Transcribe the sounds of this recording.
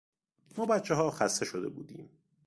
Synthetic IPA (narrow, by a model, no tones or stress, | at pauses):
mɒːbæt̪t͡ʃʰːeɦɒːxæst̪e̞ʃod̪e̞̰bṵːd̪ḭːm